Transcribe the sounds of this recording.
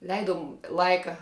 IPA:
ˈlʲɛɪdʊm ˈlˠɐɪkɐ

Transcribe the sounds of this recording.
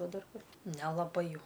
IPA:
ˈʋɐ ˈdɐr ˈkʊr nʲɛlˠɐˈbɐɪ ˈjɛʊ

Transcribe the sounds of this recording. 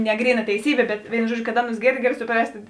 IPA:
nʲɛ ˈɡrʲiːˌnɐ tʲɛɪˈsʲiːbʲeː bʲɛt ˈʋʲeːɪnʊ ˈʒuɔdʲˌʒʲʊ kɐt ˈɑːˌnʊs ˈɡʲeːrʲˌdʲɪ ˈɡɑːlʲɪ sʊˈprɐsʲtʲ

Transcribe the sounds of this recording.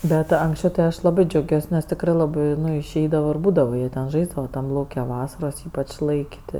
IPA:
ˈbʲɛt ɐŋksʲˈt͡ʃʲɛʊ tɐɪ ˈɐʃ lˠɐˈbɜ d͡ʒʲɛʊˈɡʲuɔs nʲɛs tʲɪkˈrɜ lˠɐˈbɜ ˈnʊ ɪʃʲˈɛɪdɐʋɐ ɪr ˈbuːdɐʋɐ ˈjiɛ tʲɛn ˈʒɐɪzdɐʋɐ ˈtɐm ˈlˠɐʊkʲɛ ˈʋɑːsɐroːs ˈiːpɐt͡ʃʲ ˈlˠɐɪkʲ tʲɪ

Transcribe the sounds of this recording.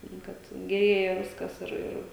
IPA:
nʊ ˈkɐt ɡʲɛˈrʲeːjɛ ˈʋʲɪskɐs ɪr ˈɪr

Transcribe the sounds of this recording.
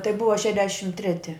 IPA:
tɐɪ ˈbʊʋɐ ˈʃʲæːdʲɛʃʲɪm ˈtʲrʲæːtʲɪ

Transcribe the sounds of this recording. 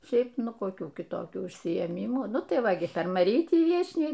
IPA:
ˈʃʲɛɪp ˈnʊ koːˈkʲuː kʲɪˈtoːkʲuː ʊʃʲsʲɪeːˈmʲiːmuː ˈnʊ tɐɪ ˈʋɐ ɡʲɪ pʲɛr mɐˈrʲiːtʲiː ˈʋʲiɛt͡ʃʲnʲɛɪ

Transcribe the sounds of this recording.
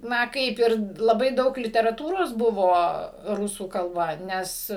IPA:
ˈnɐ ˈkɐɪp ɪr lˠɐˈbɐɪ ˈdɐʊk lʲɪtʲɛrɐˈtuːroːs ˈbʊʋoː ˈrʊsuː kɐlˠˈbɐ ˈnʲɛs

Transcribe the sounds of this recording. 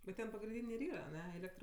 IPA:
bʲɛt ˈtʲɛn pɐɡrʲɪnʲˈdʲiːnʲeː ɪr ˈiːrɐ ɐˈnʲɛ ˈeːlʲɛktr

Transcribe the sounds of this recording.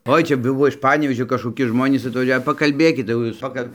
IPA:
ˈoːɪ ˈt͡ʃʲɛ ˈbʊʋoː ɪʃ ˈpɑːnʲɛʋʲeːʒʲoː kɐʃkoːˈkʲɪ ˈʒmoːnʲiːs ɐtʋɐˈʒʲɛʊ pɐkɐlʲˈbʲeːkʲɪt jɛʊ ˈjuːs ˈpɑːkɐlʲ

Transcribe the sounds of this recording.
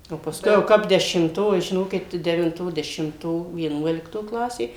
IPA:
oː pɐˈskʊɪ jɛʊ ˈkɐp dʲɛʃʲɪmˈtoː ɪ ʒʲɪˈnoːkʲɪt tɐɪ dʲɛʋʲɪnˈtoː dʲɛʃʲɪmˈtoː ʋʲiɛˈnuɔlʲɪktoː ˈklˠɑːsʲeː

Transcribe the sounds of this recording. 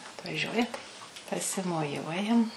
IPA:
ɐtʋɐˈʒʲuɔjɛ tɐɪ pɐsʲɪmoːˈjuɔjɛm

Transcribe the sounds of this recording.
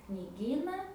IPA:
knʲɪˈɡʲiːnɐ

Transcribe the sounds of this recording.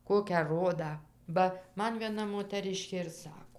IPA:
ˈkoːkʲæː ˈroːdɑː ˈbɐ ˈmɐn ʋʲiɛˈnɐ moːtɐˈrʲɪʃʲkʲeː ɪr ˈsɑːkoː

